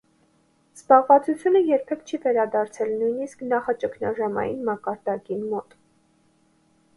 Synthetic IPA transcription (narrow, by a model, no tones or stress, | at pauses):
z̥bɑʁvɑt͡sut͡sʰjunəjɛɾpʰɛkt͡ʃʰivɛɾɑd̪ɑɾt͡sʰɛlnujnisknɑχɑt͡ʃəkʰnɑʒɑmɑ̰jḭnmɑkɑɾd̪ɑkinmɔt̪